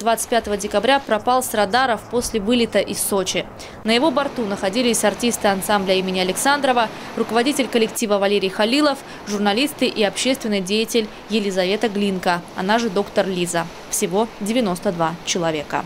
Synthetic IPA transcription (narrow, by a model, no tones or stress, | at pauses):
d̪vat̪sɨ̥t̚ʲpʲat̪əvədʲɪkɐbɾʲapɾɐpalˠsrɐd̪aɾəfpo̞sʲlʲɪvɨlʲɪt̪əʔɪsːot͡ɕɪ | nəjɪvo̞bɐrt̪unəxɐdʲilʲɪsʲɐrtʲist̪ɨɐnsamblʲəimʲɪnʲɪɐlʲɪksand̪ɾəvə | rʊkəvɐdʲitʲɪlʲkəlʲɪktʲivəvɐlʲeɾʲɪjxɐlʲilˠəf | ʐʊrnɐlʲist̪ɨʔiɐpɕːest̪vʲɪnːɨjdʲejɪtʲɪlʲ | jɪlʲɪzɐvʲe̞t̪əɡlʲinkəɐ̰naʐɨd̪o̞kt̪ərlʲizə | fsʲɪvo̞dʲɪvʲɪno̞st̪əd̪vat͡ɕɪlˠɐvʲe̞kə̰